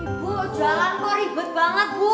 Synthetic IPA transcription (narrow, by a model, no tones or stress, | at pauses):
ibud̥ʒ̥alankɔɾib̥ʊ̤t̪̚b̥aŋət̪̚wɔ